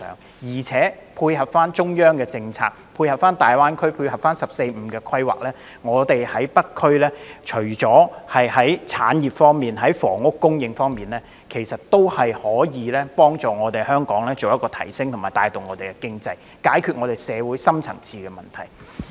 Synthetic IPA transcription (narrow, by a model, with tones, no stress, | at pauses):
ŋ | jiː˨˩t͡sʰɛː˨˥pʰuː˧jhɐ˨p̚faː˥nt͡ʃʊ˥ŋjœː˥ŋkɛː˧t͡sɪ˧ŋt͡sʰaː˧k̚pʰuː˧jhɐ˨pfaː˥nt̪aː˨jwaː˥nkʰɵ˥ɥpʰuː˧jɦɐ˨p̚faː˥nsɐ˨p̚se˧jm̩˨˧kɛː˧kʰɐ˥jwa̰ː˨k̚lɛː˥ | ŋɔː˨˧t̪e˨jhɐ˨˥jpɐ˥kkʰɵ˥ɥlɛː˥t͡ʃʰɵ˨˩ɥt͡sɔː˨˥hɐ˨jhɐ˨˥jt͡sʰaː˨˥njiː˨˩p̚fɔː˥ŋmiː˨nɦɐ˨˥jfɔː˨˩ŋʊ˥kːʊ˥ŋjɪ˨˧ŋfɔː˥ŋmiː˨nlɛː˥ | kʰe˨˩jsɐ˨t̚t̪o˥whɐ˨jhɔː˨˥jiː˨˧lɛː˥pɔː˥ŋt͡sɔː˨ŋɔː˨˧t̪e˨jhœː˥ŋkɔː˨˥ŋlɛː˥t͡so˨wjɐ˥kːɔː˧t̪ʰɐ˨˩jsɪ˥ŋt̪ʰʊ˨˩maː˨˩jt̪aː˧jt̪o˨wŋɔː˨˧t̪e˨jkɛ˧kɪ˥ŋt͡sɐ˧j | kaː˨˥jkʰy˨t̚ŋɔː˨˧t̪e˨˩jsɛː˨˧wuː˨˥jsɐ˥mt͡sʰɐ̰˨˩ŋt͡sʰiː˧kɛː˧mɐ˨˩nt̪ʰɐ̰˨˩j